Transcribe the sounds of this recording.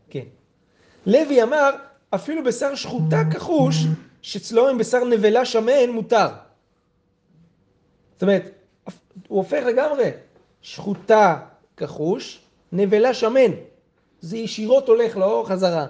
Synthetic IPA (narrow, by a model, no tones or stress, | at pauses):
kḛn | leviamaʁ | afilubesaʁʃχutakaχuʃ | ʃet͡slo̞imbesaʁne̞ve̞laʃame̞nmutaʁ | ot̪ome̞ʁet̪ | af | uofe̞χle̞ɡamʁe̞ | ʃχuta | kaχuʃ | ne̞velaʃame̞n | zejiʃiʁo̞to̞le̞χleoʁχazaʁa